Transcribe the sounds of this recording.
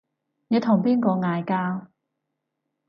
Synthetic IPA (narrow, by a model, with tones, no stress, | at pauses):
nɛː˨˧t̪ʰʊ˨˩ŋpiː˥nkɔː˧ŋaː˨˧jkaː˥w